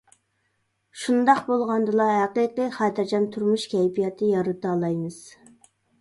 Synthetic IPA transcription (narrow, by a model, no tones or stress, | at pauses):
ʃund̪ɑqbolˠʁɑnd̪ɨlˠɑɦæqiqiχɑːt̪ʰɛɾd͡ʒɑnt̪ʰuɾmuʃkʲʰɛjpijɛt̪ʰɨjɑɾɨt̪ɑːlˠɑjmɨz̥